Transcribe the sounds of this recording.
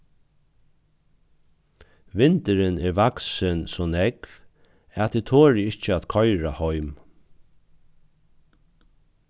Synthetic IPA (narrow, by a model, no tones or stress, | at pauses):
ʋɪnt̪əɾɪnɛɾvaksɪnsɔnɛkv | æt̪ʰit̪ʰoːɾɪɪht͡ʃəæt̪kʰɔjɾahɔjm